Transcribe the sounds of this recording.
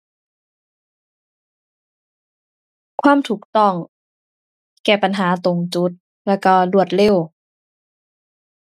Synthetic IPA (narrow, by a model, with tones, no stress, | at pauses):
kʰwaː˥˨mt̪ʰuː˨˩k̚t̪ɔ˧˥˩ŋ | kɛː˨˩pa˨nɦaː˩˦t̪o˨˩ŋt͡ɕu˧˦˥t̪̚ | lɛː˧˩wkɔ˧˩lu˧˩ət̪̚le˧˩˨w